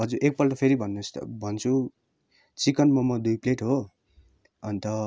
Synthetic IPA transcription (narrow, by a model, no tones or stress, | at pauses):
ɦʌd͡zuɾʔek̚pʌlʈʌpʰeɾibʱʌnːust̪ʌ̰bʱʌnt͡sʰu | t͡sikʌnmʌmʌd̪ujpleʈɦo | ʌnit̪ʌ